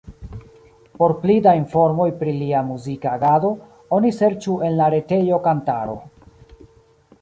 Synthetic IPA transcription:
po̞ɾplidainfo̞ɾmo̞jpɾiliamuzikaɡado̞ | o̞nise̞ɾt͡ʃue̞nlaɾe̞te̞jo̞kanta̰ɾo̞̰

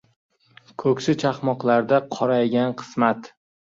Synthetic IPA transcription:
kʰɵkʲsɪt͡ʃʰaχmɒqlˠaɾd̪aqʰɒɾajɡʲanqʰɨ̥smat̪

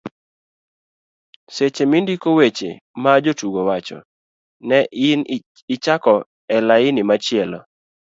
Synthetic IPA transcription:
set͡ʃemindikowet͡ʃḛmad͡ʒotuɡowat͡ʃɔ̰ | nɛɪn | ɪt͡ʃakɔ | ɛlaɪnɪmat͡ʃɪɛlɔ̰

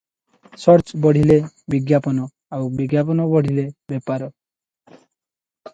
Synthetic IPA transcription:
sɔɾt͡ʃbɔɽ̤ile | biɡjapɔnɔ | awbiɡjap̬ɔnɔbɔɽ̤ʱilebɛpaɾɔ

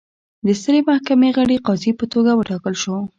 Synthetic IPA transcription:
d̪əst̪əɾemahkameɣəɽeqɑzipət̪oɡawəʈɑkəlʃo

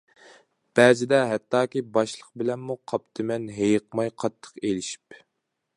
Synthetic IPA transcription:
b̥æd͡ʒɪd̪ɛɦɛt̪ːɑːkʲibɑʃlˠəq̚bɪlɛnmuqʰɑpt̪ʰɨmɛnɦejəqmɑjqʰɑt̪ʰːə̥qelɪʃi̥p

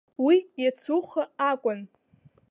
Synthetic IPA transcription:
wijat͡sʰuχaakʷʼʊn

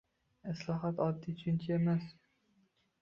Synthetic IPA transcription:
ɪslˠɒɦat̪ɒd̪ːit͡ʃʰʊnt͡ʃʰaemas

